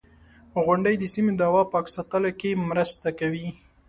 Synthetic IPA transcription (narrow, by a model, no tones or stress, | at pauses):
ɣʊɳɖəjd̪əsimed̪ɑwɑpɑksat̪əlakemɾəst̪akawi